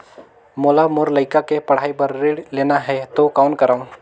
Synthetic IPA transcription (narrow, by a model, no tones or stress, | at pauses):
moːlamoɾləɪkakepɐɽ̤aːipɐɾːeːɽleːnaɦɛt̪okaːʊnkəɾaːũ